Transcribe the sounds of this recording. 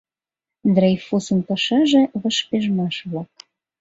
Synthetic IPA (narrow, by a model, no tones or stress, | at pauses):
d̪rejfusə̆npəʃɑʒĕβəʃpeʒmɑʃβlɑk̚